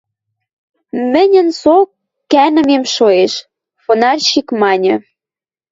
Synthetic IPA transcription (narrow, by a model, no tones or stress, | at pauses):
mɘ̆nʲə̆nsokː | ænə̆memʃoeʃ | fonɑrʲɕikmɑnʲɤ̆